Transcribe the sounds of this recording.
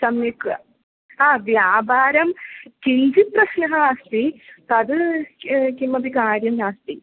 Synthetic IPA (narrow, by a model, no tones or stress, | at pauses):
sɐmjikɐ | aːʋjaːbʱaːɾɐmkiɲd͡ʑipɾɐsnɐɦɐst̪it̪ɐd̪ɨ | kimːɐbʱikaːɾjɐmnaːst̪i